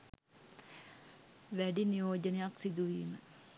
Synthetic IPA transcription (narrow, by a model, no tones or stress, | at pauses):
ʋæɖinijoːd͡ʒɐnɐjaksid̪uʋiːmə